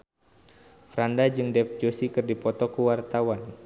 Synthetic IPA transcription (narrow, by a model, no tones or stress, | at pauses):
fɾandad͡ʒɨŋdɛp̚d͡ʒosikɨrdipɔt̪ɔkuwart̪awan